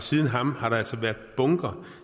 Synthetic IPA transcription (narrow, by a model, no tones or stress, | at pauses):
siːð̞ˠnɦɑ̈mhɑ̈ɾɑ̈ælsɒ̽ʋæɐdˠb̥ɔ̽ŋɡ̥ɐ